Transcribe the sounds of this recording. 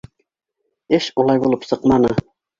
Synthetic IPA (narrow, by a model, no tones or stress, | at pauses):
ɘʃulˠɑjbulˠɤpsɤqmɑnɤ